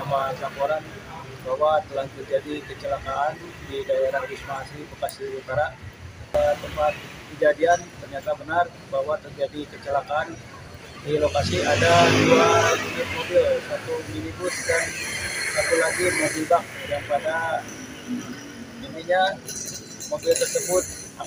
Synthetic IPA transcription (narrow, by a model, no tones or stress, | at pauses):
apalapoɾan | bawat̪əlaht̪ərd͡ʒadikət͡ʃəlakaandidaeɾahdismaɦasibəkasilut̪aɾa | ət̪əmpat̪̚kəd͡ʒadiant̪ərɲat̪abənar | baɦwat̪ərd͡ʒadikət͡ʃəlakaːn | dilokasiadadulabinɪt̪̚mobɪlsat̪uminit̪ʊsiɡa | sat̪ulaɡimobilbaŋ | ɡanpada | miniɲa | mobɪlt̪ərsəbʊt̪̚ | a